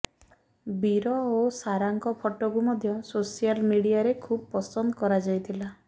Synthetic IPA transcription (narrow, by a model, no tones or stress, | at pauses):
biɾɔosaɾaŋkɔpʰɔʈɔkumɔd̪ʱjɔsosijalmiɽiaɾekʰubpɔsɔnd̪ɔkɔɾad͡ʒajt̪ʰila